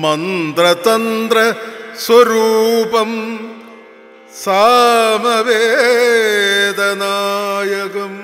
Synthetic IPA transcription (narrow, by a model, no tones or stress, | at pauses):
mɐnd̪ɾɐt̪ɐnd̪ɾɐsʋɐɾuːpɐm | saːmɐʋeː | d̪ɐnaːjɐkɐm